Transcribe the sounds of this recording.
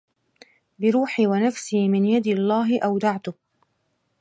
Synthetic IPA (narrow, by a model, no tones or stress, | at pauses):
bɪɾuːħiwanafsiːmɪnjad̪ɪlˤːaːɦɪʔawd̪aʕt̪ʊ